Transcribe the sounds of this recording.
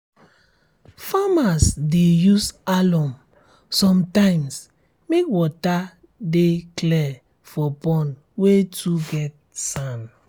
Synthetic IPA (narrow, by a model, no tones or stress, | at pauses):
famasdejusalɔ̃m | sɔ̃mtãɪms | mekwɔta | deklɛ | fɔpɔ̃n | wetʰuɡɛt̚ | sãn